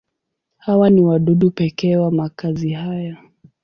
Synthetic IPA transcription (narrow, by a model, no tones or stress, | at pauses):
hawaniwaɗuɗupɛkɛwamakaziɦaja